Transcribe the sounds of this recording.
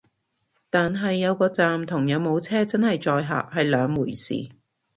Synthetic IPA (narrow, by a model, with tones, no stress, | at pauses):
t̪aː˨nɦɐ˨jːɐ˨˧wkɔː˧t͡saː˨mt̪ʰʊ˨˩ŋjɐ˨˧wmo˨˧wt͡sʰɛː˥t͡sɐ˥nhɐ˨jt͡ʃɔː˨jɦa̰ː˨˩p̚hɐ˨jlœː˨˧ŋmuː˨˩jsḭː˨˩